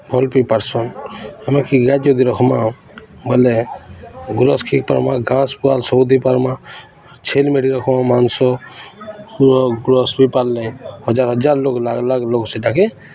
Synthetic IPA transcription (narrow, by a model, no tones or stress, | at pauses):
bʱɔlpijpaɾsɔnamakiɡat̪jɔd̪iɾɔkʰɔma | bɔle | ɡuɾɔskʰik̚paɾmaɡãspualsɔbud̪ʱipaɾma | t͡ʃʰelmeɽiɾɔkʰɔmamansɔ | ɡuɾɔsbipalːɛjhɔd͡ʒaɾɦɔd͡ʒaɾloklaɡlaɡlokseʈake